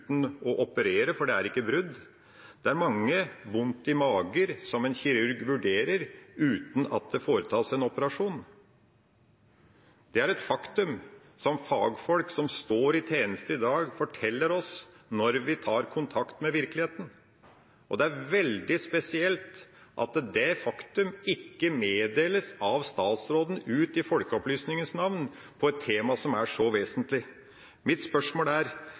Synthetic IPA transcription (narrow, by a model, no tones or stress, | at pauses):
t̪n̩ʔɔʔɔpəɾeːɾəfɔɖɛæɾɪkːəbɾʉd̪ː | d̪̥ɛæɾmɑŋːəʋʊnt̪ɪmɑːɡəɾsɔmɛnçɪɾʉɾɡʋʉɖeːɾəɾʉːt̪n̩ɑ̰t̪̚d̪ɛfoːɾət̪ʰɑːsɛnɔpəɾɑʂuːn | d̪̥ɛæɾɛt̪fɑkt̪ʉm | sɔmfɑːɡfɔlksɔmst̪oːɾɪt̪ʰeːnəst̪əɪd̪ɑːɡfɔʈʰɛlːəɾɔs | nɔɾʋɪt̪ʰɑːɾkʰʊnt̪ʰɑkt̪mɛʋɪɾklɪheːt̪n̩ | ʔɔd̪ɛæɾʋɛld̪ɪspɛsɪɛlt̪ʔɑ̰t̪d̪ɛfɑkt̪ʉmɪkːəmeːd̪eːləsɑʋst̪ɑːt̪sɾoːd̪n̩ʉːt̪ɪfɔlkəɔplyːsnɪŋənsnɑʋn | pʰɔɛt̪ʰːeːmɑsɔmæʂɔʋeːsənt̪lɪ | mɪt̪spœʂmoːlæɾ